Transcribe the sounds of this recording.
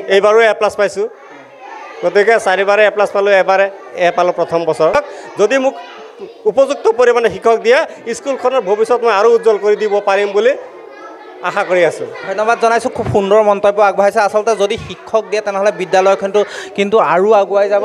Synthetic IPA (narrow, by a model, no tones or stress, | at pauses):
ejbaɹuɛplaspajsʊ̃ | ɡotikɛsaɹibaɹɛɛplaspalʊɛbaɹɛɛpalʊpɹɔt̪ʰɔmbɔsɔɹɔk̚zodimʊk | upɔzuk̚tɔkoɹimanɛxikʰːɔk̚dijaiskulkʰɔnɔɹbʱobisːɔtmɔjaɹuːtzɔlkoɹidibɔpaɹimbuli | axakoɹiasʊ̰̃dʱɔjnɔbadzɔnajsʊ̃kʰubxundɔɹmɔntɔbjɔaɡuɦajsɛasɔltɛzodixikʰːɔk̚dijatɛnɛɦɔlɛbidjalɔjkʰɔntʊkintuaɹuaɡʊajzabɔ